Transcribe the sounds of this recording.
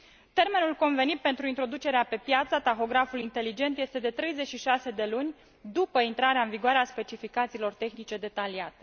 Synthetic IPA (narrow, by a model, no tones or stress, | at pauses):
t̪e̞rme̞nulko̞nve̞nit̪̚pe̞nt̪ɾuint̪ɾo̞d̪ut͡ʃe̞ɾeape̞pjat̪sət̪axo̞ɡɾafulint̪e̞lid͡ʒe̞nt̪je̞st̪e̞d̪e̞t̪ɾe̞jze̞t͡ʃʃiʃase̞d̪e̞lunʲ | d̪upəint̪ɾaɾeaɨnviɡoaɾeaspe̞t͡ʃifikat̪siːlo̞rt̪e̞xnit͡ʃe̞d̪e̞t̪aliat̪e̞